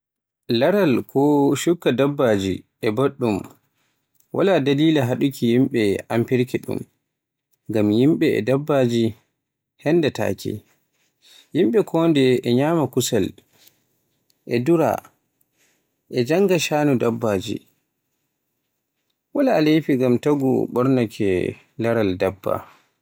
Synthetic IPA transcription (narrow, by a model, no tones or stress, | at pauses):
laɾalkʰɔʃukːadabːaːd͡ʒiʔɛbaɗːum | wʔa̰ladaliːlaɦaɗukʰijimɓɛʔampiɾkɛɗṵm | ɡamjimɓɛɛ̰dabːad͡ʒi | hɛndɛta̰ːkḭ | jimɓɛkʰɔndɛɛɲaːmakusal | ʔɛduɾa̰ | ʔɛd͡ʒaŋɡaʃaːnudabːad͡ʒḭ | walaːlefiɡamtaɡṵɓɔɾnakʰɛ | laɾaldabːa̰